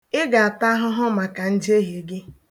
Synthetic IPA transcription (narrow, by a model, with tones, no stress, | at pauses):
ɪ˦ɡa˨a˨ta˦ɦʊ˦ɦʊ˦ma˨ka˨n̩˦d͡ʒe˦ɦe˨ɡɪ˦